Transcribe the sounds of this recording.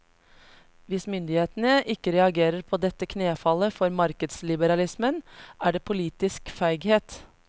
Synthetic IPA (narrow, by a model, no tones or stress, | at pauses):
ʋɪsmʏnd̪ɪheːt̪nəʔɪkːəɾɛɑɡeːɾəɾpʰoːd̪ɛt̪ːəkʰneːfɑləfɔɾmɑɾkəd̪slɪbəɾɑlɪsmənʔæːɖeːpʰʊliːt̪ɪskfæɪɡheːt̪